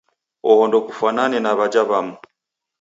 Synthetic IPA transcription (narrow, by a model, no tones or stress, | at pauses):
ɔhɔndɔkufananɛnaβad͡ʒaβamu